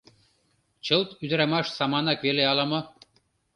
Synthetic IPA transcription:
t͡ɕɤlˠt̪yd̪ɾɑmɑʃsɑmɑnɑkβeleɑlɑmɤ̆

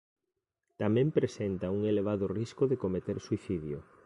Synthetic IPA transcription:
t̪amɛ̃mpɾesent̪ɐuŋeleβ̞aðʊriskʊðekomet̪eɾsuiθiðjo

